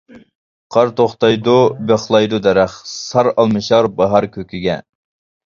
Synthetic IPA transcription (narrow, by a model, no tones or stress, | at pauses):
qʰɑɾt̪oχt̪ɑjd̪ubeχlˠɑjd̪ud̪ɛɾæχsɑɾɑlˠmɨʃɑɾbɑɦɑɾkʲʰøkʲiɡʲɛ̰